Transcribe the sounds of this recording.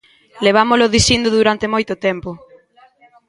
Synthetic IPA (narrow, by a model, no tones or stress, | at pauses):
leβ̞amʊlʊðisind̪ʊðuɾant̪emojt̪ʊt̪ɛmpʊ